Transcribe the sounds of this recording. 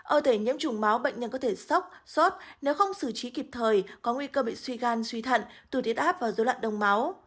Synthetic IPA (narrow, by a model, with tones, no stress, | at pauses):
ʔəː˧˩t̪ʰe˧˩ɲḭ˧˥əmt͡ɕʊ˨˧˩ŋ͡mma˨˦wɓə̰˧˨ŋ̟ɲə˧nkɔ˨˦t̪ʰe˧˩sa˦˥wk͡p̚so˦˥t̚ne˨˦wxə˧wŋ͡msɨ˧˩t͡ɕi˨˦ki˨˩p̚t̪ʰəː˨˩jkɔ˨˦ŋwi˧kəː˧ɓḭ˧˨swi˧ɣaː˧nswi˧t̪ʰə̰˧˨nt̪ɨ˧˩t̪i˦˥ət̚ʔaː˦˥p̚vaː˨˩zo˨˦la̰ː˧˨nɗə˧wŋ͡mma˨˦w